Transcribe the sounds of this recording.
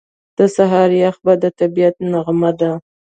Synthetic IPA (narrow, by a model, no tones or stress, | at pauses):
d̪̥əsaɦɑɾjaxbad̪ət̪abijat̪̚naɣmad̪a